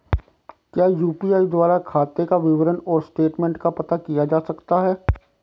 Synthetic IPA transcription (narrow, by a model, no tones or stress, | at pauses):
kjaːjuːpiːaːid̪waːɾakʰaːt̪ekaʋɪʋəɾənɔːɾsʈeːʈmɛ̃ːɳʈkapɐt̪akijad͡ʒaːsɐkt̪aɦɛː